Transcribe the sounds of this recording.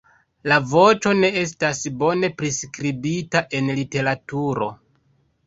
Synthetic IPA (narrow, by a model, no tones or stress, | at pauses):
lavo̞t͡ʃo̞ne̞e̞s̬tasbo̞ne̞pɾiskɾibitaʔe̞nlite̞ɾatuɾo̞